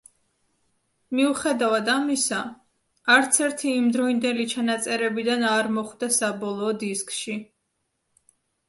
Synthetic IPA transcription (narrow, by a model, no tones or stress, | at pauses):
miuχɛd̪avad̪amisaː | ɾt̪sʰɛɾt̪ʰiːmd̪ɾɔind̪ɛlit͡ʃʰanat̪sʼɛɾɛbid̪anaɾmɔχwd̪asabɔlˠɔːd̪iskʼʃi